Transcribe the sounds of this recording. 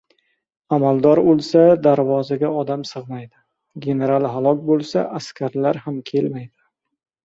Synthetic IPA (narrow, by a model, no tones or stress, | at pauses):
amald̪ɒɾolˠsad̪aɾvɒzaɡʲaɒd̪amsɨʁmajd̪ɪ | ɡʲe̞ne̞ɾalˠɦalˠɒkʲbolˠsa̰ʔaskʲʰaɾlaɾhamkʲʰe̞lmajd̪ɪ